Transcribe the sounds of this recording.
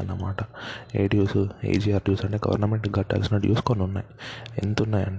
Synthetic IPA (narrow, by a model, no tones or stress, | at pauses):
ɐ̰nːɐmaːʈɐḛːɖijuːsuḛjd͡ʒiːaːɾɖjuːsɐɳʈeɡɐ̰ʋɐ̰ɾnɐmeɳʈɡɐʈːa̰ːlsinɐːɖjṵːsu̥koːnunːa̰ːjiḛnd̪ut̪unːaːjɐɳ